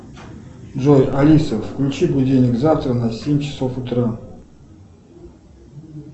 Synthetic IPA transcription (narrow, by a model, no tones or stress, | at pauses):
ʐojalʲisəfːklʲut͡ʃibudʲenʲɪkzaft̪ɾənasʲemʲt͡ɕʰɪ̥sofut̪ɾa